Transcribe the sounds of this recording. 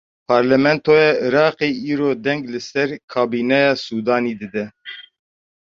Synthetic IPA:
pʰɑːɾlɛmɛnt̪ʰoːjɑːɨɾɑːqeːʔiːɾoːd̪ɛŋɡlɨsɛɾkʰɑːbiːnɛjɑːsuːd̪ɑːniːd̪ɨd̪ɛ

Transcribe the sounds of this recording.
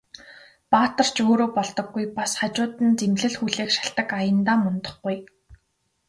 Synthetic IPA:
paːt̪ə̆r̥t͡ɕoːɾoːpɔɮt̪ɞ̆ɡːujpasχat͡ɕʊːt̪ə̆nt͡semɮɘ̆ɮxuɮeːkʃḁɬt̪ə̆kajə̆nt̪aːmɵnt̪ə̆χɡuj

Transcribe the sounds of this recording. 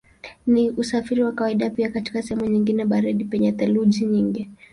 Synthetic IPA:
niʔusafiɾiwakawaiɗapiakati̥kasɛhɛmuɲiŋɡinɛɓaɾiɗipɛɲɛt̪ɛlud͡ʒiɲiŋɡi

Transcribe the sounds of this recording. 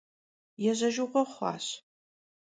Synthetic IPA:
jɛʑɐʒʊʁʷɔχʷɑ̰ːɕ

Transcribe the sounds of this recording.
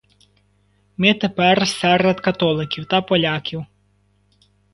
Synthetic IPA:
mɪt̪epɛrsɛrɛd̪kɐt̪ɔlˠɪkʲiwt̪ɐpɔlʲakʲiw

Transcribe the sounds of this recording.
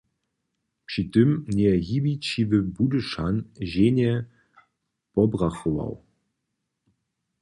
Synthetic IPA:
pʂɨt̪ɘmnʲɛɣibit͡ɕivɘbud̪ɨʂanʑenʲɛ | pɔbraxɔva̰w

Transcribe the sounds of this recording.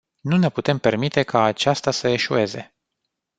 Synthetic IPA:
nune̞put̪e̞mpe̞rmit̪e̞kʰaːt͡ʃast̪asəe̞ʃue̞ze̞̰

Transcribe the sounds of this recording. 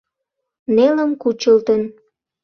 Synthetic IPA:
neləmkut͡ɕəlt̪ən

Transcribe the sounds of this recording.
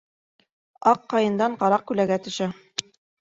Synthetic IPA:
ɑqːɑjɤ̆nd̪ɑɴqɑɾɑq̚kʉlæɡæt̪ɵ̆ʃæ

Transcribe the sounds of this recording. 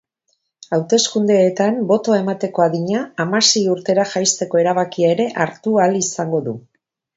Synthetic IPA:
awt̪e̞skund̪e̞ːt̪ambo̞t̪o̞ae̞mat̪e̞ko̞aðiɲaːmase̞juɾt̪e̞ɾaʝajst̪e̞ko̞e̞ɾaβ̞akiae̞ɾe̞ʔaɾt̪ualisaŋɡo̞ðu

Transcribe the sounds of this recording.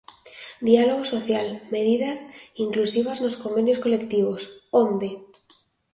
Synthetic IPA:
d̪ialoɣ̞oso̞θjalme̞ðið̞asiŋklusiβ̞aznosko̞mbe̞njosko̞le̞kt̪iβ̞osond̪e

